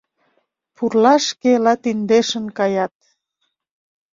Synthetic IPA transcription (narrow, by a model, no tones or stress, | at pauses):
purlɑʃkelɑt̪ind̪eʃə̆nkɑjɑt̪̚